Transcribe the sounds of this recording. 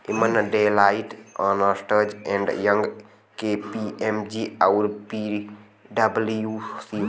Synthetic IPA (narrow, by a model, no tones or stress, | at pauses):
imənɖelaɪʈaːnəsʈəd͡ʒẽɳɖjɐ̃ŋɡ | kepiʔemd͡ʒiawɾpi | ɖɐbljusi